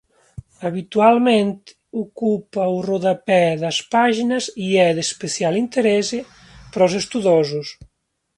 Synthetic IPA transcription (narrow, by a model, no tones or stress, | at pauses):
aβit̪ualmẽnt̪ | ukupauroðapɛðɐspaʒinɐziɛðespesjalint̪eɾɛze | pɾɔzest̪uðɔzus